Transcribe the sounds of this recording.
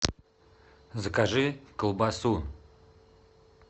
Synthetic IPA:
zəkaʒɨkəlˠbasu

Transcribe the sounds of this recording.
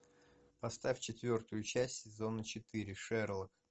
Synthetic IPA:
pɐst̪afʲt͡ɕɪt̪vʲo̞rt̪ʊjʊt͡ɕæsʲtʲsʲɪzo̞nət͡ɕɪt̪ɨɾʲɪʂɛrlˠək

